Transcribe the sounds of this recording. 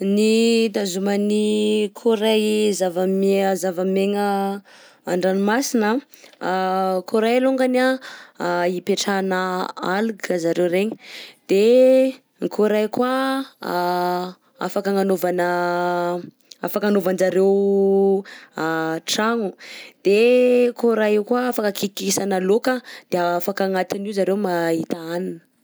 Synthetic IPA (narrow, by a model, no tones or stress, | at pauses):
nid̪azumənikʰuɾajzavəmzavəmeŋə | aɳɖ͡ʐanimasinə | kuɾajluŋɡana | ipeʈ͡ʂanəaluɡəzaɾewɾeɲəd̪̥e | ŋikʰuɾajkwa | a̰fakəŋanovanə | a̰fakanovanzaɾew | ʈ͡ʂaŋud̪̥ekoɾajikwaafakəkikisanəlokəd̪̥eafakaŋat̪iniuzaɾemait̪aananə̥